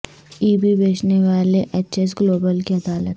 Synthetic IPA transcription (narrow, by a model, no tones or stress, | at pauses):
iːbibeːt͡ʃneʋaːleʔet͡ʃes̬ɡloːbəlkiɐd̪aːlət̪